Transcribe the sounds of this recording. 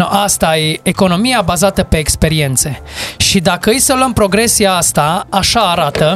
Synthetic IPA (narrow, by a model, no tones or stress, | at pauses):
ast̪ajeeko̞no̞mijabazat̪əpe̞ːkspe̞ɾie̞nt̪se̞ʃid̪akəɨjsəlwəmpɾo̞ɡɾe̞siaast̪aaʃaːɾat̪ə